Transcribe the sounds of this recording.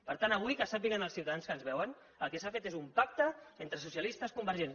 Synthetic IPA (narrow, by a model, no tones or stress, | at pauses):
pəɾt̪anəβuikəsapiɣənəlˠsiuwt̪aðanskənzβɛwən | ə̰lˠkesafet̪ezumpak̚t̪əent̪ɾəs̬usiəlist̪əskumbəɾʒen